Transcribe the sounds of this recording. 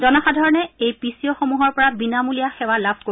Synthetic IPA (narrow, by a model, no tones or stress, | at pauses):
dɔnaxadʱɔɹɔnɛejpisijɔxomuɦɔɹpɔɹabinamulijaxɛwalabʱko